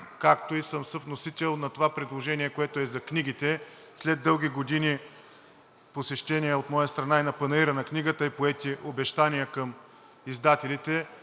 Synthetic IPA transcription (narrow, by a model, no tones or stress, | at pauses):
kakt̪oisɤmsɤfnosit̪ɛlˠnɐt̪ovapɾid̪lˠoʒɛniɛkoɛt̪oɛzɐkniɡit̪ɛ | slɛd̪ːɤlˠɡʲiɡod̪ini | posɛʃt̪ɛnijɛot̪mɔjəst̪ɾɐnainɐpɐnɐiɾənɐkniɡət̪əipoɛt̪iʔobɛʃt̪anʲijəkəm | izd̪at̪ɛlit̪ɛ